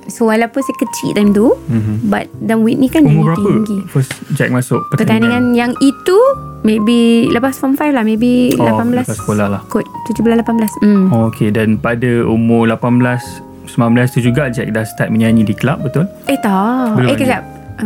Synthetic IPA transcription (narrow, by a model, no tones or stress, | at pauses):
sowalapʊnsajkət͡ʃḭʔt̪amt̪uba̰t̪̚danwiʔ̚nĩkanumʊbəɾaəŋɡifəsd͡ʒɛk̚masʊʔ̚pətpət̪aniŋãnjaŋit̪umebiləpasfɔmfajflahmẽbilapanbəlasskolahlahkut̪̚t̪ud͡ʒubəlaslapanbəlas̩mokʰedanpadəumʊlapanblas | səmlãnbəlast̪ud͡ʒuɡaʔd͡ʒɛ̰k̚dast̪at̪̚məɲanĩdikəlap̚bət̪ʊl | eht̪abəlekad͡ʒap̚